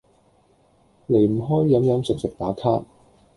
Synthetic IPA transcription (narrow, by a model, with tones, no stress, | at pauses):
le˨˩jm̩˨˩ɦɔː˥jːɐ˨˥mjœː˨˥ŋsɪ˨˩k̚sɵ˨t̚paː˨˥t̪ʰaː˥